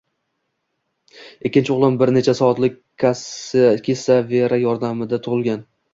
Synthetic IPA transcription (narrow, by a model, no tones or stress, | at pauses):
ekʲːɪnt͡ʃɪʊʁlˠɪmbɪɾne̞t͡ʃʰasɒɒt̪lɪk̚ʲ | askʲʰesaveɾajɒɾd̪amɪd̪at̪ʰʊʁɨlˠɡʲan